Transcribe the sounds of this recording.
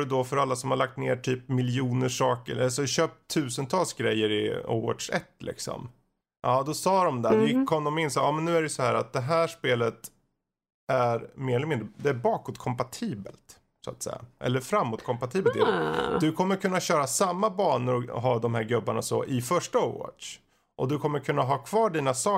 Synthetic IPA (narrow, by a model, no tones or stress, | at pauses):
ɵd̪ɔfœɾalːasɔmhaɭak̚t̪nḛːʈʰyːpmɪljuːnəʂɑːkəɾalsɔɕøːp̚t̪ʰːʉ̟ːsənt̪ʰɑːlsɡɾɛjːəɾɪo̰wɔ̰dʂɛ̰t̪ːlʔɪ̰ksɔ̰m | ʔɑːd̪ɔsɑːɾɔmd̪ɛd̪jɪkʰːɔmd̪ɔmɪnːsɑːɑːmɛnːʉ̟ːæɾɛjsɔhæːɾat̪̚d̪ɛɦæːʂpeːlət̪ | æɾmeːɾɛləmɪnd̪ɾəd̪ɛæɾbɑːkɔt̪̚kʰɔmpat̪ʰiːbə̰lt̪ | sʊa̰t̪sɛ̰jːa̰ʔɛ̰lːəɾfɾamːʊt̪̚kʰɔmpat̪ʰiːbəɪd̪d̪ɵkʰɔmːəɾkʰɵnːaɕœːɾasamːabɑːɳəɾɔɦɑːd̪ɔmɦæːɾɡɵbːaɳa̰sɔ̰ʔɪfœʂʈao̰wɑ̰ʂ | ʔɔd̪ɵkʰɔmːəɾkʰɵnːaɦɑːkʰvɑːɖiːnasɑː